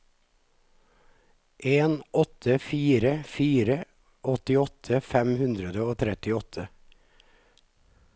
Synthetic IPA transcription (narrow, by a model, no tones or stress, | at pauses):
ʔeːnʔɔt̪ʰəfiːɾəfiːɾə | ɔt̪ɪɔt̪ʰəfɛmhʉnd̪ɾəd̪əoːt̪ʰɾɛt̪ɪɔt̪ʰə